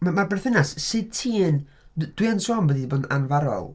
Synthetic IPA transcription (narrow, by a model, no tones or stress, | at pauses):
mamabɛrθɪnassɨd̥̚tʰiːn | d̥wiansɔːnbədiboːda̰nvaɾɔ̰lˠ